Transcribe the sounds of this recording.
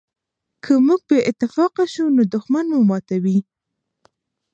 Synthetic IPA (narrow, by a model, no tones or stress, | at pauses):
kʰəmuɡ̚beʔɪt̪ɪfɑqaʃunod̪ʊxmanmumɑt̪awi